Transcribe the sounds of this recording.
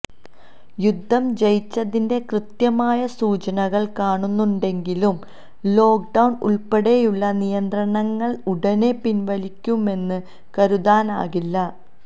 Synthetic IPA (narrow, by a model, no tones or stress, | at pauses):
jud̪ʱːɐmd͡ʑɐjit͡ɕːɐðinde̞krɨt̪jɐmaːjɐsuːt͡ɕɐnɐɣɐɭkaːɳunːuɳɖe̞ŋɡilum | lo̞ːk̚ɖɐwɳṵɭpeɽe̞juɭːɐnijɐnd̪rɐɳɐŋːɐɭuɽɐne̞pinʋɐlikʲːume̞nːɨ | kɐɾuðaːna̰ːɣilːɐ